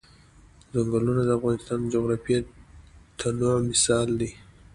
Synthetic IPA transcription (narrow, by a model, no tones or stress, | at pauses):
zaŋɡalunad̪əafɣɑnɪst̪ɑnd͡ʒoɣɾɑfia | t̪ʰanamɪsɑld̪i